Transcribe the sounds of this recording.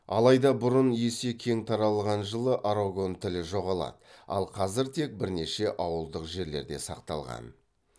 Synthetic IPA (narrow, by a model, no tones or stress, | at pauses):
ɑ̰lˠɑjd̪ɑbʊɾʊnje̞se̞kʲʰe̞ŋt̪ʰɑɾɑlˠʁɑnʒəlˠəʔaɾoɡo̞nt̪ʰɪlɪʒo̞ʁɑlˠɑ̰d̪əɑ̰lˠqʰɑzɪɾt̪ʰe̞k̚bɪɾne̞ʃe̞ʔɑwəlˠd̪əqʒe̞ɾle̞̰ɾd̪e̞̰sɑqt̪ɑ̰lˠʁɑ̰n